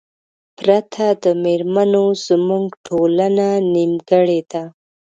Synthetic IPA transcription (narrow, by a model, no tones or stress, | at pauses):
pɾat̪ʰad̪əmeɾmanoz̥muŋɡʈʰolananimɡəɽed̪a